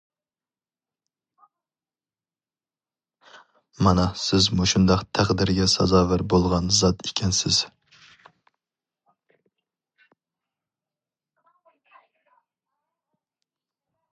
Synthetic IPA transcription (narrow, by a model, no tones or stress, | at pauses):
mɑnɑsɪzmuʃund̪ɑqt̪ʰæqd̪ɪɾɡʲɛsɑ̰zɑːvæɾbolˠʁɑnzɑt̪ekʲʰɛnsɪz̥